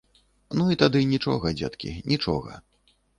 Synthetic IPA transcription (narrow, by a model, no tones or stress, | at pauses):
nuit̪ad̪ɨnʲit͡ʂɔ̰ɣɐd͡zʲɛ̰t̪kʲḭnʲit͡ʂɔ̰ɣɐ̰